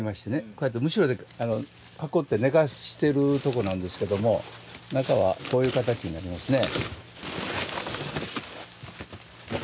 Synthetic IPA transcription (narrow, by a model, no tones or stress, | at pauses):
imaɕi̥t̪e̞ne̞ko̞jat̪ːemɯ̟ɕiɾo̞d̪e̞ano̞ | kako̞t̪ːe̞ne̞ɡaɕi̥t̪e̞ɾɯ̟t̪o̞ko̞nãnd̪e̞sɨ̥ke̞d̪o̞mo̞nakaβ̞a̰ko̞ːjɯ̟ːkat̪̬akʲiɲ̟inaɾʲimasɨne̞